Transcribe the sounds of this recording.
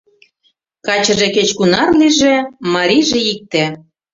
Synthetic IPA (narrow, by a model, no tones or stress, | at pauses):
kɑt͡ɕɤ̆ʒĕket͡ɕkunɑrliʒĕmɑɾʲiʒĕik̚t̪ĕ